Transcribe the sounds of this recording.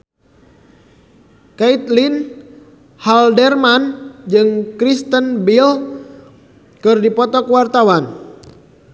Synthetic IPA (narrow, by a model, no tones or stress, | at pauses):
kait̪lin | haldɛrmand͡ʒɨŋkɾist̪ənbil | kɨrdipɔt̪ɔkəwart̪awan